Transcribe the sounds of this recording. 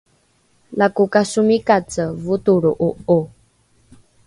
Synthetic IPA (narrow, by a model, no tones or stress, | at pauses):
lakukasumikat͡səvut̪uɺuʔoo